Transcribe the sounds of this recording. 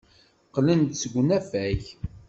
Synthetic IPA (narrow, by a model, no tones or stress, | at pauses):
qlənt̪səɡʷːnæfæç